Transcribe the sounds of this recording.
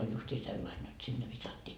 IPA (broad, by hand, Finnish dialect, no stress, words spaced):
olʲ justiː selːɑin jot sinːe ʋisɑtːiː